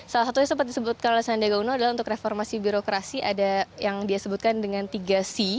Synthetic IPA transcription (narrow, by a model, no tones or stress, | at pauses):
salasat̪uɲasəmp̬ət̪̚disəbut̪̚kanolɛhsandaɡaunoadalaunt̪ʊkreformasibiɾokɾasiʔadajaŋdiasəbut̪̚kandəŋant̪iɡasi